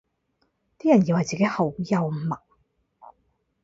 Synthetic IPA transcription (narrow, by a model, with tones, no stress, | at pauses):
t̪iː˥jɐ˨˩nji˧whɐ˨˩jt͡si˨ke˨˥jhɐ˨wjɐ˨wmɐ˨k̚